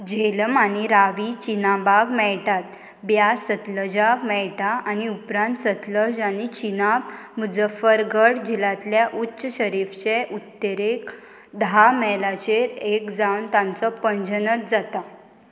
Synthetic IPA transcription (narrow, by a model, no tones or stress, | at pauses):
d͡ʑeləmañiɾaʋit͡ɕinabaɡmɛɭʈat̪̚ | bjasət̪ləd͡ʑakmɛɭʈaañiupɾãnt̪sət̪ləd͡ʑañit͡ɕinabmud͡zəfəɾɡəɽd͡ʑilãt̪ljaʔutːɕəɕəɾift͡ɕeʔut̪ːeɾek | d̪amɛlat͡ɕeɾekd͡zawnt̪ãnt͡sɔpənd͡ʑənət̪̚d͡zat̪a